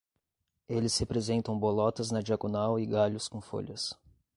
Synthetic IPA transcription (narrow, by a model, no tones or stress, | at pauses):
elɪshepɾezẽnt̪ɐ̃w̃bolɔt̪ɐznɐd͡ʒiaɡonawɪɡaʎʊskõfo̰ʎɐs